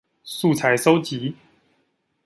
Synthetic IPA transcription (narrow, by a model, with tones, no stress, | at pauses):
su˥˨t͡sʰa˨˦ɪso˦˥ʊt͡ɕi˨˦